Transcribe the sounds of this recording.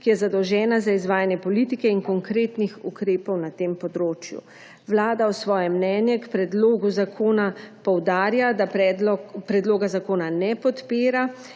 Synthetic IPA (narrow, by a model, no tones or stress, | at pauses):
kijɛzad̪ɔwʒɛːnazaizʋaːjanjɛpɔliːt̪ikɛiŋkɔŋkɾeːt̪nixukɾeːpɔwnat̪eːmpɔd̪ɾoːt͡ʃjṵ | ʋlaːd̪aɔsʋɔːjɛmnɛːnjɛkpɾɛd̪loːɡuzakʰoːnapɔwd̪aːɾjad̪apɾɛd̪lɔpɾɛd̪loːɡazakoːnanɛpɔt̪peːɾa